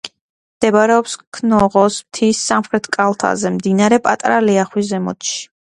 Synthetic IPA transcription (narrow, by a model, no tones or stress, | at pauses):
md̪̥ɛbaɾɛɔpskʰnɔʁɔsmt̪ʰisːamχɾɛt̪ʰkʼalˠt̪ʰa̰zɛmd̪inaɾɛpʼat̪ʼɾalɛaχwizɛmɔ̰t̪ʃi̥